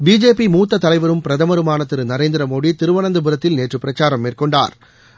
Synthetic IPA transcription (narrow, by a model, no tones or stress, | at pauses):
biːd͡ʒeːpimuːt̪ːɐt̪ːɐlɐɪʋɐɾɯmpɪɾɐðɐmɐɾɯmaːnɐt̪ːɪɾɯnɐɾeːnd̪ɪɾɐmoːɽit̪ɪɾɯʋɐnɐnd̪ɐbɯɾɐt̪ːɪlneːʈrɯpːɪɾɐt͡ʃːaːɾɐmːeːrkɔɳɖa̰ːɾ